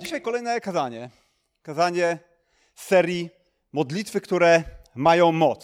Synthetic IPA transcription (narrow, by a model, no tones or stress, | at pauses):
d͡ʑiɕajkɔlɛjnɛkazaɲɛ | kazaɲɛ | sɛɾʲji | mɔd̪lʲit̪fɘkt̪uɾɛmajɔ̃w̃mɔt̪s